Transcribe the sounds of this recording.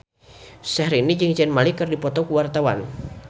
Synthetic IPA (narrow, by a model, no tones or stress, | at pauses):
sɛhɾinid͡ʒɨŋt͡ʃɛnmalikɨrdipɔt̪ɔkuwart̪awan